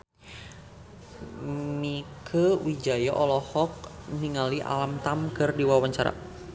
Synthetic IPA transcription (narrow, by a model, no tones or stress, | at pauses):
mikʰəwid͡ʒajaʔɔlɔhɔk̚niŋaliʔa̰lamt̪amkɨrdiwawaɲt͡ʃaɾa̰